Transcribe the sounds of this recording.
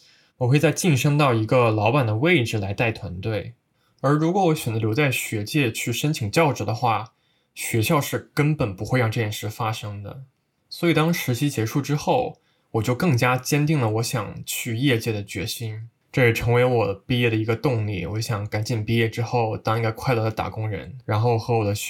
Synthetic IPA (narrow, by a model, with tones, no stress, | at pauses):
wɔ˨˩xwe˥˧ɪt͡sa˥˧ɪt͡ɕi˥˩nʂɤ˥ŋt̪ɑ˥˩ʊi˧˥ɡə˧lɑ˧˥ʊpa˨˩nd̪ə˩we˥˩ɪʈ͡ʂɻ̩˨˩la˧˥ɪt̪a˥˩ɪt̪ʰwa˧˥nt̪we˥˩ɪ | ə˞˧˥ɻu˧˥kwɔ˧˥wɔ˧˥ɕɥɛ˨˩nd͡zə˧ljʊt͡sa˥˩ɪɕɥɛ˧˥t͡ɕjɛ˥˧t͡ɕʰy˥˩ʂə˥nt͡ɕʰi˨˩ŋt͡ɕjɑ˥˩ʊʈ͡ʂɻ̩˧˥d̪ə˧xwa˥˩ | ɕɥɛ˧˥ɕjɑ˥˧ʊʂɻ̩˥˩kə˥npə˨˩npu˧˥xe˥˧ɪɻɑ˥˧ŋʈ͡ʂɤ˥˧jɛ˥˩nʂɻ̩˥˩fa˥ʂɤ˥ŋd̪ə̰˨ | swɔ˧˥i˨˩t̪ɑ˥ŋʂɻ̩˧˥t͡ɕʰi˥t͡ɕjɛ˧˥ʂu˥˩ʈ͡ʂɻ̩˥xo˥˩ʊ | wɔ˨˩t͡ɕjo˥˧ʊkɤ˥˩ŋt͡ɕja˥t͡ɕjɛ˥nt̪i˥˩ŋlə˩wɔ˧˥ɕjɑ̰˨˩ŋt͡ɕʰy˥˧jɛ˥˧t͡ɕjɛ˥˩d̪ə˩t͡ɕɥɛ̰˧˥ɕi˥n | ʈ͡ʂɤ˥˩ʂɛ˨˩ʈ͡ʂʰɤ˧˥ŋwe˧˥ɪ˧wɔ˨˩pi˥˧jɛ˥˩ɾə˩i˧˥ɡə˧t̪ʊ˥˧ŋlḭ˥˩wɔ˧˥ɕjɑ˨˩˦ŋka˧˥nt͡ɕi˨˩npi˥˧jɛ˥˩ʈ͡ʂɻ̩˥xo˥˩ʊt̪ɑ˥ŋi˧˥ɡa˧˥kʰwa˥˩ɪlə˧˥d̪ə˧t̪a̰˨˩kʊ˥ŋɻə̰˧˥nɻa˧˥nxo˥˩ʊ˩xɤ˧˥wɔ˨˩d̪ə˦